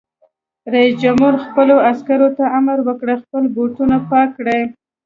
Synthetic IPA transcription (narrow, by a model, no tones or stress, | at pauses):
ɾaisd͡ʒamhuɾxpəloaskaɾot̪aʔamaɾwəkɽexpəlboʈunapɑkːɽe